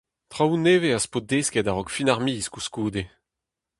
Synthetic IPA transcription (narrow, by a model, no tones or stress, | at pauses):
t̪χawuneːveaspod̪eːskedaʁɔkfinaʁmiːskuskuːd̪e